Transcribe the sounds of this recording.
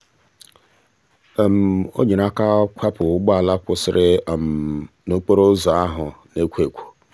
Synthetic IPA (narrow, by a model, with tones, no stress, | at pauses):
m̩˨o̰˦ɲe˨na˦ka˦kʷʰa˦pʊ˨ʊ˦ɡ͡ba˨la˦kʷʊ˨sɪ˦ɾɪ˦˨m̩˨ | no˦k͡po˦ɾo˦zɔ˨a˦ɦʊ˨ne˦kʷe˨kʷu̥˨